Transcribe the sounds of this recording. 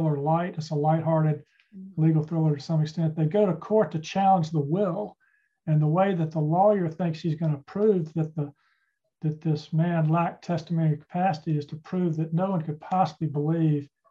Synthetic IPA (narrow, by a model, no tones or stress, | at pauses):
lˠə˞laɪɾɨzəlaɪt̚ɦɑɹɾɨd | liɡl̩ˠfɪlˠə˞ɾɨsʌ̃mɨkstɛ̃nðeɪɡoʊɾɨkʰɔɹtʰɨt͡ʃʰælˠə̃nd͡ʒðəwɪlˠ | ɨ̃nðəweɪðɨt̪̚ðəlɔjə˞θɪ̃ŋksʃizɡʌnɨpʰɹ̥ʉvðɨt̪̚ðə | ðɨt̪̚ðɪsmæ̃nlæk̚tʰɛstəmõʊñiʌ̥kʰə̥pʰæsəɾiɨz̥tʰɨpʰɹ̥ʉvðɨtⁿnoʊwʌ̃nkɨd̚pʰɑsəblibəliv̥